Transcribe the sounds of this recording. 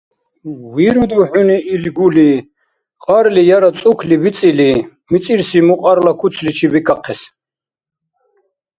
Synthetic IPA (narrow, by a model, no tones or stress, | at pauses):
wiɾud̪uħuniːlɡuli | qʼaɾlijaɾat͡sʼukʰlibit͡sʼili | mit͡s̪ʼiɾsimuqʼaɾlakʰut͡s̪ʰlit͡ʃʰibikʰʼaqʰɛs